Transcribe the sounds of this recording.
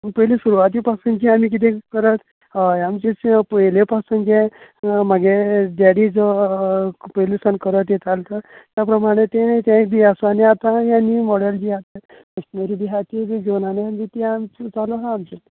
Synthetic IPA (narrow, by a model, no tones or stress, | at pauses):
mipəɦjlesuɾuʋat̪̬ipasəŋkiamik̬it̪ẽkəɾət̪ | amt͡ɕet͡spəɦlepasəŋkemaɡedaɽid͡zə | pəjlisənkəɾət̪jet̪ʰalt̪ət̪japɾəmaɽ̃et̪ẽt̪ãbiasʋaneat̪ajanimɔɽald͡ʑiat̪a | məst̪məɾibiɦat̪id͡ziɡonaneamd͡ʑit̪eamt͡st͡saloɦãːmt͡ɕe